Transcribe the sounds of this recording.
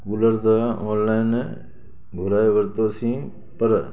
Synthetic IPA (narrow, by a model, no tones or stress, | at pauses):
kuləɾt̪aoːnlaːɪn | ɡʱʊɾaːeʋəɾt̪oːsĩː | pəɾ